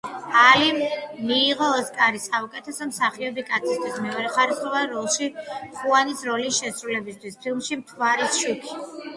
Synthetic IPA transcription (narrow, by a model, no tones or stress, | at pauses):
alimmiːʁɔskʼaɾisaukʼɛt̪ʰɛsɔmsaχiɔbikʼat̪sʰist̪ʰwismɛɔɾɛχaɾisχɔvaɾɔlˠʃiχuanisɾɔlisʃɛsɾulɛbist̪ʰwispʰilˠmʃimt̪ʰwaɾisʃukʰi̥